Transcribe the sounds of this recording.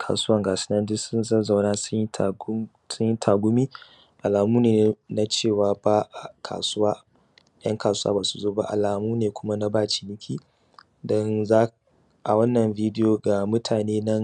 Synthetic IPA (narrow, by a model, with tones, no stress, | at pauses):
kʰa̰ː˨sʊ˦wɐ˦ŋɡaː˨sɪ̥˦nɐ˦ndʊ˦sʊ˦nzɐ˦za˨wnaː˦sʊ˦ɲ˦˨˦ | sʊ˦ɲji˦tʰaː˨ɡʷʊ˦miː˦ | ʔa˨laː˨muː˦neː˨n˨na˦t͡ʃeː˦˨waː˨baː˦ʔkʰa̰ː˨sʊ˦waː˦ | j̰ɐ̰˦ŋkaː˨sʊ˦wa̰˦baː˨su̥˨zoː˦ba̰˦ʔa̰˨laː˨muː˦neː˨kʷʰʊ˦ma˦na˦baː˦˨t͡ʃi̥˨nɪ˦kʲʰiː˦ | dɔ˦nzaː˦ | ʔa̰˨wɐ˦nːɐ˨mviː˦dɪ˦joː˨ɡa˨mʊ˦tʰaː˨neː˦nɐ˦ŋ